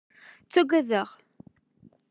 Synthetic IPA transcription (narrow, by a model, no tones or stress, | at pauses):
t͡sːæɡʷæðəʁ